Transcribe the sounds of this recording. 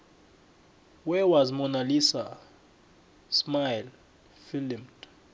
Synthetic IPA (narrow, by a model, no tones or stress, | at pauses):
wɛwazmɔnalisa | smajl | filimt